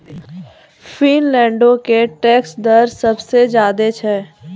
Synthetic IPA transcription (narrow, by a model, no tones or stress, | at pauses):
finlɛ̃ːɳɖõkeʈɛːksd̪əɾsɐbsed͡ʒjaːd̪et͡ʃʰɛː